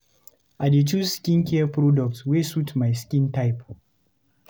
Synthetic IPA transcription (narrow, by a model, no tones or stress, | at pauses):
ʔadetuːskʲɪŋkʲɛɐpɾɔdɔk̚tsweːsutmajskʲɪntajp